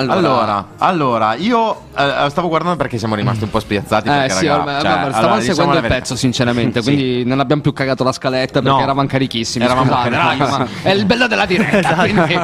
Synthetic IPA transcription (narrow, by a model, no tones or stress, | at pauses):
alːoaːlːoːɾa̰alːoːɾaiːo | st̪avoɡwaɾrd̪and̪opeɾkesjamoɾimast̪iumpɔspjat̪sːaːt̪iɛsaioaaeɾsavansseɡwɛnd̪oipɛt̪ːosint͡ʃeɾament̪ekwind̪inonabjamopjukːaɡaːt̪olaskalet̪ːapeɾɾkeːɾavanokaɾikisːimɛiɾaauzaːt̪eɾaaomaɛilbɛlːod̪elːad̪iɾɛːwindi